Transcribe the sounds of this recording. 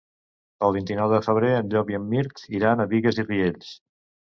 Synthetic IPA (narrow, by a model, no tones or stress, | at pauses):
əlˠβ̞int̪inɔwðəfəβ̞ɾeənʎɔkiəmːiɾkziɾanəβiɣəzirieʎs